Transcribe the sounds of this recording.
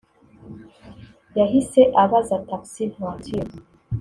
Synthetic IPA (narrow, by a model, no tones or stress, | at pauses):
jaɦisɛʔaβazat̪afsilhatʰi